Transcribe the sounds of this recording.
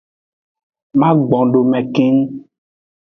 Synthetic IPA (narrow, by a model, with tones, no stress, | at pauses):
mã˦ɡ͡bɔ̃˨ɖo˨mɛ̃˨ke˦ŋ˦